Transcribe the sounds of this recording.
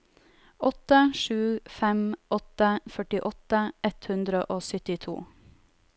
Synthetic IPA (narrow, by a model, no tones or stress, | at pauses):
ʔɔt̪əʃʉːfɛmʔɔt̪əfœʈɪʔɔt̪əɛt̪hʉnd̪ɾəʔoːsœt̪ɪt̪ʰṵː